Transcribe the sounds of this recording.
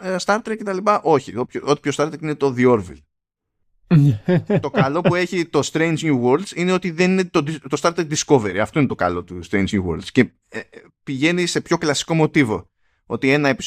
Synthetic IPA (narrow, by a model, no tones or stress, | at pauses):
st̪ɐɾt̪ɾekcːet̪ɐlipɐʔo̞çiopçoʔot̪ipçost̪ɐɾt̪ɾekine̞t̪o̞ðio̞ɾvḭl | t̪o̞kɐlo̞pue̞çit̪o̞st̪ɾejnd͡ʒnuɣo̞ɾld̪sineo̞t̪iðe̞nine̞t̪od̪it̪o̞st̪ɐɾt̪ɾek̚d̪isko̞ve̞ɾiɐft̪o̞inet̪o̞kɐ̰lo̞t̪ust̪ɾejnd͡ʒnɲṵɣo̞̰ɾld̪sce | e | piʝe̞nise̞pço̞klɐsi̥ko̞mo̞t̪ivo̞ | o̞̰t̪ie̞nɐe̞pi̥s